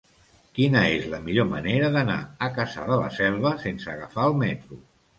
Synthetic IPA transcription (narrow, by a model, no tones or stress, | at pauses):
kinəezləmiʎoməneɾəðəna̰əkasa̰ðələ̰sɛlˠβ̞əsensəːɣəfaəlˠmɛt̪ɾu